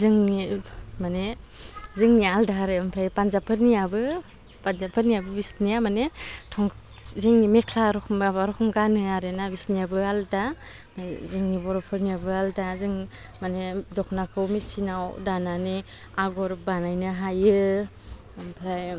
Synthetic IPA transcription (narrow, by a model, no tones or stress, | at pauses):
zɯŋnimane | zɯŋnialdaɦaɾɯampʰɾajpanzapʰɯɾnijabɯ | panzapʰɯɾniabɯbisniamanetʰɔŋ | zɯŋnimekʰlaɾɔabaɾɔkʰɔŋɡanɯaɾenabisniabɯalda | mazɯŋnibɔɾɔpʰɯɾniabɯaldazɯŋ | manedɔkʰnakʰɯwmisinawdanani | aɡɔɾbanajnɯɦajɯ | ampʰɾaj